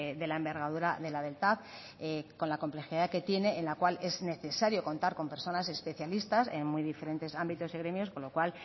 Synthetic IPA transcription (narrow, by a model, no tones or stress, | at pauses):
ðe̞laembe̞ɾɣað̞uɾaðe̞laðe̞lt̪að | eko̞nlakomple̞xiðake̞t̪je̞ne̞ʔːnlakwale̞zne̞θe̞saɾjo̞ko̞nt̪aɾko̞mpe̞ɾso̞nase̞spe̞θjalist̪ase̞nmujðife̞ɾe̞nt̪e̞sambit̪o̞siɣ̞ɾe̞mjo̞sko̞nlo̞kwal